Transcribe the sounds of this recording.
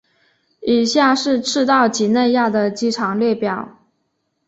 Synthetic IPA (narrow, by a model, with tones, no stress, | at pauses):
i˨˩ɕja˥˧ʂɻ̩˥˧ʈ͡ʂʰɻ̩˥˧t̪ɑ˥˩ʊt͡ɕi˧˥ne˥˧ɪja˥˩d̪ə˩t͡ɕi˥ʈ͡ʂʰɑ˧˥ŋljɛ˥˩pjɑ˨˩˦ʊ